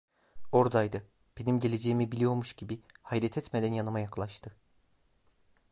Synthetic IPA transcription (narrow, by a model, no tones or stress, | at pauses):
o̞ɾd̪ajd̪ɯ | b̥e̞nimɟe̞lʲe̞d͡ʒejimibilʲijo̞ɾmuʃɟibihajdɾɛt̪ʰɛt̪med̪ænjanɯmajaklˠaʃt̪ʰɯ